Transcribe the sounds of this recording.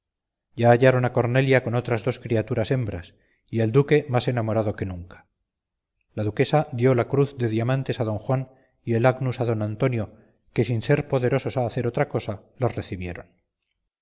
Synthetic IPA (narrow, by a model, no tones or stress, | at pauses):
ɟ͡ʝaːʝaɾo̞nako̞ɾne̞ljako̞no̞t̪ɾazðoskɾiat̪uɾase̞mbɾas | ie̞ld̪uke̞mase̞namo̞ɾað̞o̞ke̞nũŋkḁ | laðuke̞sad̪jo̞lakɾuθðe̞ðiamãnt̪e̞sað̞õ̞ŋxwan | ie̞laɡnusaðo̞nant̪o̞njo̞ | ke̞sinse̞ɾpo̞ðe̞ɾo̞so̞saːθe̞ɾo̞t̪ɾako̞salosre̞θiβje̞ɾo̞n